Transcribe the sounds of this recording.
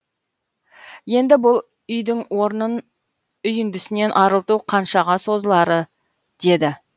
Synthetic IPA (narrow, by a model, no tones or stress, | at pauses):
je̞nd̪ɪbʊlˠ | ʏjd̪ɪŋwo̞ɾnən | ʏjɪnd̪ɪsɪne̞nʔɑɾəlˠt̪uqʰɑnʃɑʁɑso̞zəlˠɑɾə | d̪̥e̞d̪ɪ